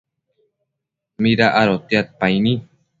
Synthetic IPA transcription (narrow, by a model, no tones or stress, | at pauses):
miɾaʔaɾot̪eat̪̚pajnĩ